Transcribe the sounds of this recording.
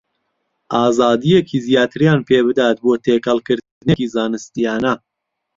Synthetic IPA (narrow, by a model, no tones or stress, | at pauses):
ʔɑːzɑːd̪ijekʰiːzijaːt̪ʰɨɾjaːnpʰeːbɨd̪aːt̪̚boːt̪ʰeːkɐlˠkɨɾ | nekizɑːnɨst̪ijaːnɐ